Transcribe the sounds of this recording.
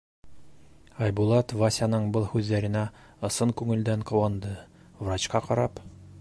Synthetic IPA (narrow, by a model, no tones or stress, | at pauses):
ɑjbulˠɑt̪vasʲanɤɴbɤlˠhʉðːæɾɘ̆næ | ɤ̆sɤŋkʉŋɘ̆ld̪æɴqŏwɑnd̪ɤ | vrat͡ɕqɑqɒɾɑp